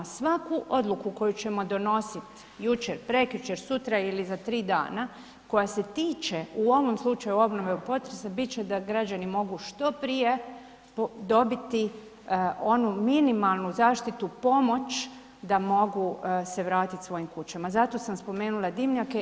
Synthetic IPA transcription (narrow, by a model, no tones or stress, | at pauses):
sʋakuʔo̞d̪lˠukuko̞jut͡ɕe̞mo̞d̪o̞no̞sit̪ | jut͡ʃeɾpɾe̞kjut͡ʃeɾsut̪ɾailizat̪ɾiːd̪a̰ːna | ko̞jase̞t̪iːt͡ʃeuo̞ʋo̞mslˠut͡ʃajuo̞bno̞ʋe̞upo̞t̪ɾesabit̪̚t͡ʃe̞d̪aɡɾad͡ʑanimo̞ɡuʃt̪o̞pɾije̞ | pd̪o̞bit̪i | o̞numinimalˠnuzaːʃt̪it̪upo̞mo̞t͡ʃ | d̪amo̞ɡuse̞ʋɾaːt̪it̪sʋo̞jimkut͡ɕamazat̪o̞samspo̞meːnulˠad̪imɲake